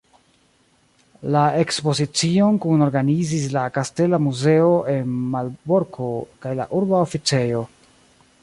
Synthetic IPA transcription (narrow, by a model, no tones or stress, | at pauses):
lae̞kspo̞zit͡sio̞nkuno̞ɾɡanizis̬lakaste̞lamuze̞o̞ʔe̞nmalbo̞ɾkʰo̞kajla̰ʔuɾbaofit͡se̞jo̞